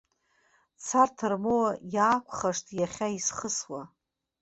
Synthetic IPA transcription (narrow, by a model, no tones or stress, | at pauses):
t͡sʰartʰɨrmowajaːkʷʰχaʂtʰʼjaχʲaisχəswa